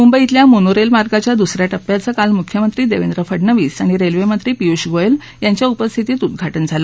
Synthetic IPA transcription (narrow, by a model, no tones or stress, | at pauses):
mumbəit̪ljamonoɾelmaɾɡat͡ɕjad̪usɾjaʈəpːjat͡səkalmukʰjəmənt̪ɾiːd̪eʋend̪ɾəfəɽnəʋiːsaɽ̃iɾelʋemənt̪ɾiːpiuɕɡojel | jaɲt͡ɕjaupəst̪ʰit̪iːt̪ud̪̚ɡʱaʈənd͡zʱalə